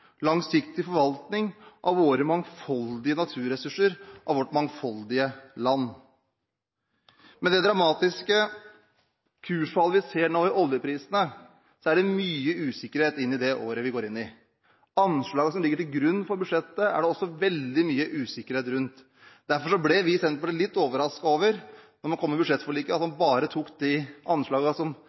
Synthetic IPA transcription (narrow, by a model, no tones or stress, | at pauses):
lɑŋsɪkt̪ɪfɔɾʋɑlt̪nɪŋʔɑʋʋoːɾəmɑŋfɑld̪ɪənɑt̪ʰʉːɾəsʉʂəɾʔɑ̰ʋɔʈːmɑŋfɑld̪ɪəlɑnː | mɛnd̪ɛd̪ɾɑmɑːt̪ɪskə | kʰʉːʂfɑlːəʋɪseːɳoːɪʔɔljəpʰɾiːsənə | sɔæɖɛmyːəʉːsɪkːəɾheːt̪ɪnːɪd̪ɛʔo̰ːɾəʋɪɡoːɾɪnːɪ | ɑnʂɭɑːɡəsɔmlɪɡːəʈɪlɡɾʉnːfɔɾbʉd̪ʂɛt̪ːəæ̰ɖɛɔsːɔʋɛld̪ɪmyːəʔʉːsɪkːəɾheːt̪ɾʉnt̪ | d̪æɾfɔʂɔblɛʋɪsɛnt̪pɔd̪ɛlɪt̪ːoːʋəɾɑskɑoːʋəɾnɔɾmɑnkʰɔmːəbʉd̪ʂɛt̪ːfɔɭiːkəɑt̪mɑnbɑːɾət̪ʰuːkd̪ɪʔɑnʂɭɑːɡɑsɔm